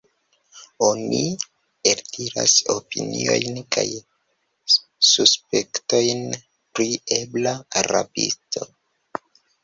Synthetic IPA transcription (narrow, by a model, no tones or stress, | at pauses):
o̞ni | eltʰiɾaso̞pinio̞jnkaj | suspekto̞jn | pɾieblaaɾapḭsto̞